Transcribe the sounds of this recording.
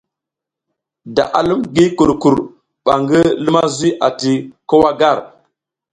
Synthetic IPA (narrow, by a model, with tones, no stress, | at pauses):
da̰˨ʔa̰˨lu˦mɡi˦ku˨ɾku˨ɾ | ɓa˨ŋɡə˦lə˦ma˦zi˦ʔa˨ti˨ko˦wa˦ɡa˦˨ɾ